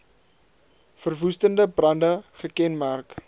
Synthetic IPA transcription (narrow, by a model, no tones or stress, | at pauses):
fərvustəndəbrɐndəχəkɛnmærk